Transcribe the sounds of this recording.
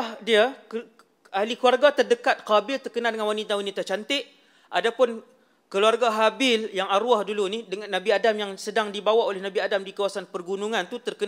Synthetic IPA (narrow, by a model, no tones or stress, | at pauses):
hdiak | ahlikluarɡat̪ərdəkat̪̚qabɪlt̪ərkənadəŋanwanit̪awanit̪at͡ʃant̪ɪʔ | ʔadapʊn | kəluarɡaɦabɪljaŋaɾuahdulunihdəŋanːabiadamjaŋsədaŋdibawaʔolɛhnabiadamdikawasanpərɡunuŋant̪ut̪ərkən